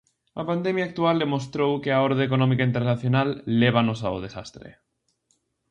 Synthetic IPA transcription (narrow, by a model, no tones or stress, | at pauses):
apand̪emjaːk̚t̪uald̪emost̪ɾowkeaoɾðeekonɔ̃mikaint̪eɾnaθjonalːeβ̞anosa̰o̰ð̞esast̪ɾḛ